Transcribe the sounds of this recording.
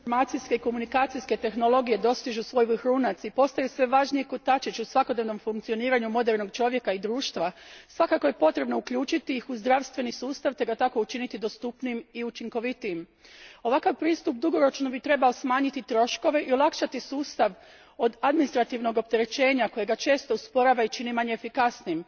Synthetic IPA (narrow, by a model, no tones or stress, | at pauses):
iɾmaːt̪siske̞iko̞munikaːt̪sijske̞t̪e̞xno̞lo̞ɡije̞d̪o̞st̪iʒusʋo̞jʋxɾuːnat̪sipo̞st̪ajusʋe̞ʋaːʒnijekot̪at͡ʃit͡ʃusʋako̞d̪neʋno̞mfuŋkt̪ioniːɾaɲumo̞d̪eɾno̞ɡ̚t͡ʃo̞ʋje̞kaid̪ɾuːʃt̪ʋasʋakako̞je̞po̞t̪ɾe̞bno̞ukʎuːt͡ʃit̪iixuzd̪ɾaʋst̪ʋe̞nisuːst̪aʋt̪e̞ɡat̪ako̞ut͡ʃinit̪id̪ost̪upniimiut͡ʃiŋko̞ʋit̪iːm | o̞ʋakaʋpɾiːst̪up̚d̪uɡo̞ɾo̞t͡ʃno̞bit̪ɾe̞baosmaːɲit̪it̪ɾo̞ʃko̞ʋe̞ʔiolˠakʃat̪isuːst̪aʋ | o̞d̪ad̪minist̪ɾat̪iːʋno̞ɡo̞p̚t̪e̞ɾe̞t͡ʃe̞ːɲako̞jeɡat͡ʃe̞ːst̪o̞uspo̞ɾaʋait͡ʃinimaɲeːfikasniim